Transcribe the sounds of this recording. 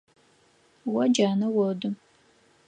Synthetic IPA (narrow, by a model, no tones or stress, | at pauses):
wɐd͡ʒaːnɐwɔdɨ